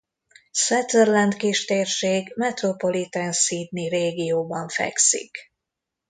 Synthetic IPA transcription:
sɛt̪ɛrlɛnt̪kiʃt̪eːrʃeːɡmɛt̪ro̞po̞lit̪ɛnsiːd̪nireːɡijoːbɒɱfɛ̰ksḭk

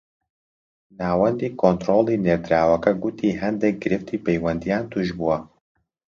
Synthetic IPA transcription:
naːwɐnd̪iːkʰont̪ɾoːlˠiːned̪ɾaːwɐkɐɡut̪ʰiːɦɛnd̪ek̚ɡɨɾɪft̪ʰiːpɛjwɐnd̪ijaːnt̪ʰuʒbuwɐ

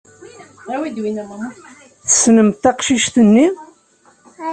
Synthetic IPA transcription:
æwid̪winæmm | θə̥snəmt̪ːɑqʃiʃt̪ənːi

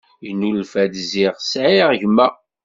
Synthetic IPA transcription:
jnulfæd̪ziʁsʕiʁʝmːæ

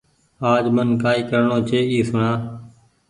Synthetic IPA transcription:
aːd͡ʒmənkaːiːkəɾɳoːt͡ʃeːiːsʊɳaː

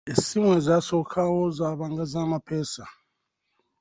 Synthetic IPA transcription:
esimwɛzasɔkʰawɔzaβaŋɡazamapʰɛːsa

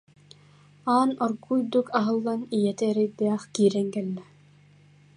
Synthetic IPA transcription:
aːnɔɾɡujd̪ukaɦɯ̆lˠːanijɛt̪ɛːɾɛjd̪ɛːχkiːɾɛŋkɛlːɛ

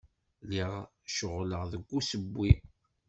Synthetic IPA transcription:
liʁ | ʃəʁləʁðəɡʷːusəbːi

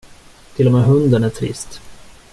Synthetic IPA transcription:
t̪ʰɪlːɔmeːɦɵnd̪ənæʈʰɾɪ̰st̪

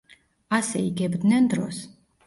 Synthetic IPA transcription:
asɛiɡɛbd̪nɛnd̪ɾɔ̰s

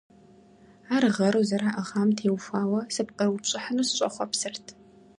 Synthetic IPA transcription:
aːrɨʁɐɾuwzɐɾaːʔɐʁaːmtʰeːwfʷaːwɐsɨpqʼɐrwt͡ʃʷʼɪħənuːsɨɕʷʼɐχʷɔpsɨrtʰ

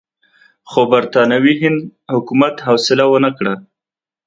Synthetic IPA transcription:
xobaɾt̪ɑnawiɦɪnd̪hʊkumat̪hɑwsɪlawənakɽa

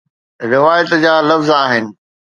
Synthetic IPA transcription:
ɾɪʋaːjət̪d͡ʑaːlɐfzaːɦɪnɪ̆

